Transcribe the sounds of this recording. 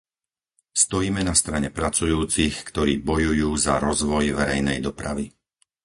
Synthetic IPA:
st̪ɔjiːmɛnast̪ɾaɲɛpɾat͡sujuːt͡sixkt̪ɔɾiːbɔjujuːza̰ɾɔzʋɔjʋɛɾɛjnɛjd̪ɔpɾa̰ʋi

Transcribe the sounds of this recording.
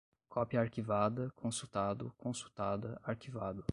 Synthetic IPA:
kʰɔpiɐaɾkivad̪ɐkʰõsut̪ad̪ʊkʰõsu̥t̪ad̪ɐaɾkivad̪ʊ

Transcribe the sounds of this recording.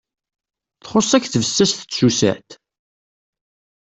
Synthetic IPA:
θχosˤːækːθvəsːæsθə̥susæ̰t̪

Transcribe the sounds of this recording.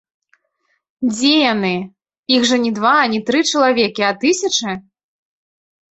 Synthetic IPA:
d͡zʲejanɨ | iɣʐɐnʲid̪vaːnʲit̪ɾɨt͡ʂɐlˠavʲɛkʲiat̪ɨsʲɐt͡ʂɨ

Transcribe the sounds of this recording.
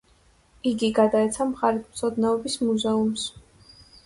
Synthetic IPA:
iɡiɡad̪aɛt̪sʰamχaɾit̪ʰmt̪sʰɔd̪nɛɔbismuzɛums

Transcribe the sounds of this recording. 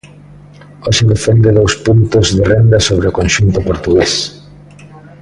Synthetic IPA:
ɔʃɪd̪efend̪ɪðowspunt̪ʊzðɪrɛnd̪ɐsoβɾeʊkõnʃunt̪ʊpoɾt̪uɣes

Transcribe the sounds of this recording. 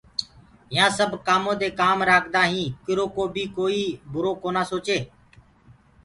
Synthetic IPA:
jãːsəbʱkaːmõːd̪eːkaːmɾaːkʰd̪aːɦĩːkɪɾoːkoːbiːkoːiːbʱʊɾoːkoːnaːsoːt͡ʃeː

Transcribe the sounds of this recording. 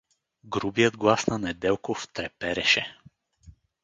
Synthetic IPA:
ɡɾubijəd̪ɡlˠasnanɛd̪ɛlˠkoft̪ɾɛpɛɾɛʃɛ

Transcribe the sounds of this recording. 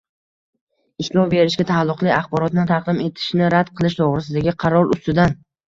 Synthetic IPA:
ɪslˠɒbe̞ɾɪʃɡʲat̪ʰalˠːʊqlˠɪɑχbɒɾɒt̪nɪnt̪ʰɑqd̪ɪme̞t̪ʰɪ̥ʃnɪɾad̪̥qʰɨlˠɪʃt̪ʰoʁɾɪs̬ɪd̪aɡʲɪqʰɑɾɒɾʊst̪ɪd̪an

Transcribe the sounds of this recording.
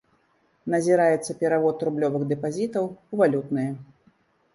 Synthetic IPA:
nɐzʲiɾajɛt̪sːɐpʲɛɾavɔt̪ːɾublʲɔvɨɣd̪ɛpazʲit̪ɐwuvalʲut̪nɨjɐ

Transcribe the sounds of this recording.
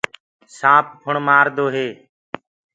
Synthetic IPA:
sãːp̚pʰʊɳmaːɾd̪oːɦeː

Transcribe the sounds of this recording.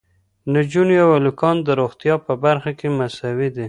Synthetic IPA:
nad͡ʒunjawalukɑnd̪əɾoxt̪jɑpəbaɾxakemasawid̪i

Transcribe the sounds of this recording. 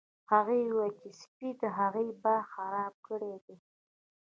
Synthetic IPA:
haɣejwakispid̪əɦaɣejbaxaɾɑb̚kəɽed̪e

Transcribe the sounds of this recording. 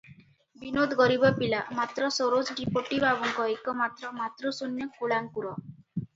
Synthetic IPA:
binod̪ʱɡɔɾibɔpilamat̪ɾɔsoɾod͡ʒɖipoʈibʱabɔŋkɔekɔmat̪ɾɔmat̪ɾɔsunːjɔkuɭaŋpuɾɔ

